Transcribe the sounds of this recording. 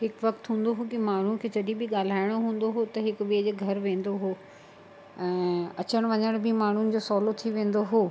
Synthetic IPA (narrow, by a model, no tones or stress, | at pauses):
ɦɪkʋɐkt̪ɦũːnd̪oɦokimaːɳ̤ũkʰeːd͡ʑɐɗibʱɪɠaːl̤aːɪɽ̃oɦũːn̆d̪oɦot̪ɐɦɪkʋiəd͡ʑeːɡʱɐɾʋẽːn̆d̪oɦoː | ɛ̃ːɐt͡ɕəɽ̃ʋɐɲəɽ̃bʱɪmaːn̤ʊnɪ̆d͡ʑoːsɔːlot̪ʰiʋẽːn̆d̪oɦoː